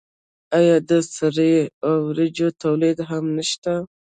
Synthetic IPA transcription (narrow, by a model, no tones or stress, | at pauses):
ajɑd̪əsaɾeawɾɪd͡ʒot̪awlid̪ɦamnəʃt̪a